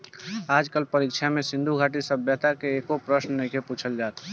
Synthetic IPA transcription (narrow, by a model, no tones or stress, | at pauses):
ad͡ʒkəlpəɾikt͡ʃʰamesĩnd̪ʱuɡʱaʈisəbːɛt̪akeːkopɾəsnnəkeput͡ʃʰəld͡ʒaːt̪